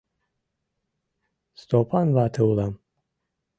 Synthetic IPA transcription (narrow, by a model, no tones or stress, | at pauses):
st̪opʰanvat̪ʰɨwlam